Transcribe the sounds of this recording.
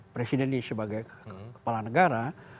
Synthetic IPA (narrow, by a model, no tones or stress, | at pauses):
pɾesidɛnisəbaɡajkə̥palanəɡaɾa